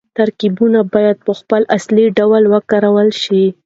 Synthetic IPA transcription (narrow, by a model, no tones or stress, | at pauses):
t̪aɾkibunabɑjad̪̚pəxpəlasliɖawlwəkaɾawəlʃi